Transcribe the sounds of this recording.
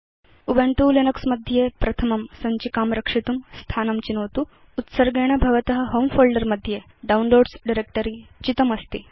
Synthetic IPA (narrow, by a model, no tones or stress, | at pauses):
ubeɳʈuːlinɐksmɐd̪ʱːjepɾɐt̪ʰɐmɐmsɐɲt͡ɕikaːmɾɐkʂit̪umst̪ʰaːnɐmt͡ɕinoːt̪uː | t̪səɾɡeɽ̃ɐbʱɐʋɐt̪əɦə̆ɦomfolɖəɾmɐd̪ʱːje | ɖaunloːɖsɖiɾek̚ʈəɾit͡ɕit̪ɐmɐst̪i